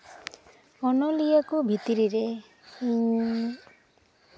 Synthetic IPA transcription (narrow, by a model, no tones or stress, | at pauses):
ɔnɔlijakubʱit̪iɾiɾe | iɲ